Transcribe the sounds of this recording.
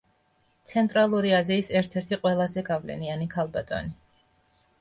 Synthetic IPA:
t̪sʰɛnt̪ʼɾalˠuɾiaziːsɛɾt̪ʰɛɾt̪ʰiqʼwɛlˠazɛɡavlɛ̰nianikʰalˠbat̪ʼɔ̰ni

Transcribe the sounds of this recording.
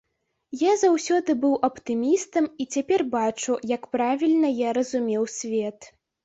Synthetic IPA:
jazawsʲɔd̪ɨbɨwʔɐpt̪ɨmʲist̪ɐmit͡sʲapʲɛrbat͡ʂujɐkpɾavʲilʲnɐjaɾɐzumʲɛwsʲvʲɛt̪

